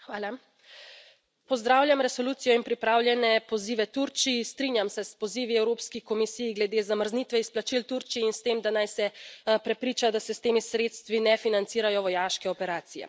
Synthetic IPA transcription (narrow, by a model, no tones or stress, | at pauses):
xʋaːla | pɔzd̪ɾaːwlʲjamɾɛsɔluːt̪sijɔinpɾipɾaːwlʲjɛnɛpɔziːʋɛt̪uɾt͡ʃijist̪ɾiːnjamsɛspɔziːʋiɛwɾoːpskixkɔmisiːjɡlɛd̪eːzaməɾzniːt̪ʋɛisplat͡ʃilt̪uɾt͡ʃijiinst̪eːmd̪anajsɛpɾɛpɾiːt͡ʃad̪asɛst̪eːmisɾet̪st̪ʋinɛfinant̪siːɾajɔʋɔjaːʃkɛɔpɛɾaːt̪sijɛ̰